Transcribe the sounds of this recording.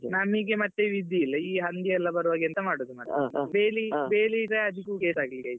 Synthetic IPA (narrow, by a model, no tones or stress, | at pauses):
namiːɡemɐt̪ːeʋid̪ːiːlːɐiːɦɐnd̪iɛlːɐbɐɾuʋaːɡɛnt̪ɐmaːɽoːd̪umaːʈɐbeːlibeːliɡeɐd̪ʱikːukeːsaːɡlikɐːjt̪u